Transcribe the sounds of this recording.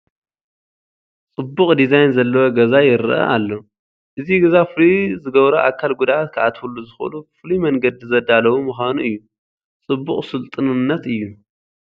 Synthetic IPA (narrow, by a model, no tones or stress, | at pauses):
t͡sʼɨbːuχʼd̪izajnzɐlːɐwoɡɐzajɪɾɨʔɐ̰ʔalːo | ʔɨziɡɐzafɨlizɨɡɐβɾɐʔakʰːalɡud̪aʔat̪kʰɨʔat̪huluzɨxɐ̰lufɨlimɐŋɡɐd̪izɐd̪alɐwumɨxʷanuʔɨjːu | t͡sʼɨbːuχʼsɨlt̪ʼɨnɨnːɐt̪ɨjːu